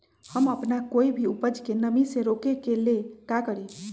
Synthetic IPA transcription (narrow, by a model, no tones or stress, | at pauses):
həməpnakoibʱiupəd͡ʒkenəmisẽɾokekelekakəɽi